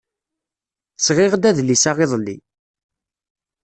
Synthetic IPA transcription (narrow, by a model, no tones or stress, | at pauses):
sʁɪʁd̪æðlisaʁeðˤlːḭ